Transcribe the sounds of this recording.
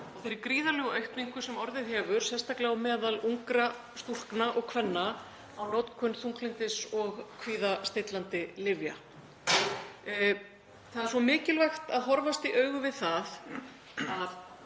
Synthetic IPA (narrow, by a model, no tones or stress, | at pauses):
ɔθejɾɪɾkɾiːðalɛɣʔœɥhk̪nĩŋ̥kʰvʏ̥sɛmɔɾðɪðɦɛːvʏɾ̥sɛst̪aklaɣwmɛːðaluŋkɾa | st̪ul̥knaʔɔɣkʰvɛnːa | awnɔwt̪kʰʏnθuŋklɪnt̪ɪsɔɣkʰviːðast̪ejt̪lant̪ɪlɪvja̰ | θaðɛɾ̥svɔmɪːcɪlvajxt̪aðɦɔɾvast̪iʔœːɥɣʏvɪðθað | að